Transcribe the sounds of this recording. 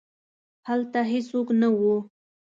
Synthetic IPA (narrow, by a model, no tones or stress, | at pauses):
halt̪aɦesoknawu